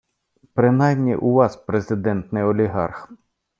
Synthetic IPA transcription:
pɾɪnɑjmnʲḭʔuʋɑspɾezɪd̪ɛnt̪nɪjɔlʲiɦɑ̰rx

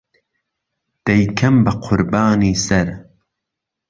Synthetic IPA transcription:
d̪̥ɐjkʰɐmbɐqʰʊɾbaːniːsɐɾ

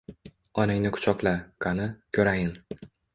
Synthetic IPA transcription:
ɒnɪŋnɪkʰʊ̥t͡ʃʰɒqlˠakʰanɪkʲʰɵɾajɪn

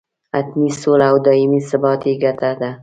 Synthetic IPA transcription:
at̪nisolawd̪ɒɪmisɪbɒt̪ʰjɡʲat̪ʰad̪ɪ

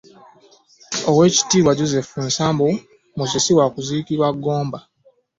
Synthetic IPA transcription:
owe̞ːci̥tiːβwaɟozefunsaːmbu | muzisiwakuziːkiɾwaɡːo̞ːmba

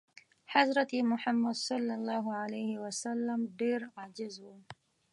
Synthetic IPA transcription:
ħazɾˤɑt̪imʊħamːad̪sˤɑlːɑlˤːɑːɦʊʕalajhɪwasalːamd̪iːɾʕaʕd͡ʒɪzhʊ

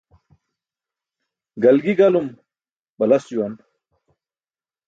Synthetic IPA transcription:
ɡɐlɡiɡɐlum | bɐlɐsjuwɐn

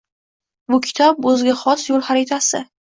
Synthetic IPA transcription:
bʊkʲʰɪ̥t̪ʰɒb̚ɵzɡʲaχɒsjolˠχaɾet̪ʰasɪ

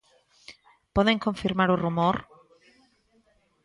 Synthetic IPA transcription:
poðeŋkõɱfiɾmaɾʊrumoɾ

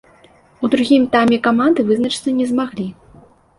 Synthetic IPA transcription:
ud̪ɾuɣʲimt̪amʲɛkamand̪ɨvɨznɐt͡ʂɨ̥t̪sɐnʲɛzmaɣlʲi

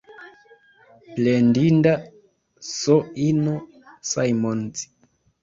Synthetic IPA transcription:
plendinda | soino | sajmont͡si̥

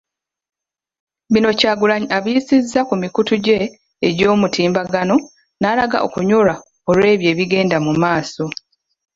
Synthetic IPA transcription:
βino̞caːɡulaɲaβiisizːakumikutuɟe̞ː | ɟo̞ːmutʰiːmbaɡano̞ | nalaɡa̰ʔo̞̰kuɲoɾa | o̞lwe̞ːβje̞ːβiɡe̞ːndamumaːso̞

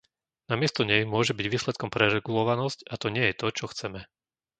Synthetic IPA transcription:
namɪɛst̪ɔɲɛjmʊɔʒɛbiɟʋiːslɛt̪̚kɔmpɾɛɾɛɡulɔʋanɔscat̪ɔɲɪɛjɛt̪ɔt͡ʃɔxt͡sɛmɛ

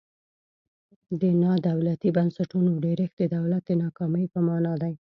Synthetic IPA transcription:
d̪ənɑd̪awlat̪ibansaʈunoɖeɾəxd̪əd̪awlat̪̚d̪ənɑkɑməjpəmɑnɑd̪aj

